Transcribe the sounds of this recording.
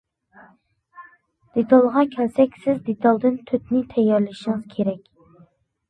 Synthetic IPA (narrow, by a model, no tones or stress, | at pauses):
d̪̥et̪ʰɑlˠʁɑkʲʰɛlsɛkʲsɪzd̪et̪ʰɑlˠd̪ɨnt̪ʰøt̪nɪt̪ʰɛjːɑɾlɪʃiŋɨz̥kʲʰeɾɛkʲ